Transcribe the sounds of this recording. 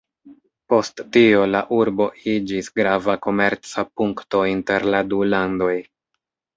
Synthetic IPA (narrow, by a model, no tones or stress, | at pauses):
po̞sttio̞laʔuɾbo̞id͡ʒisɡɾavako̞me̞ɾt͡sapuŋkto̞inte̞ɾladulando̞j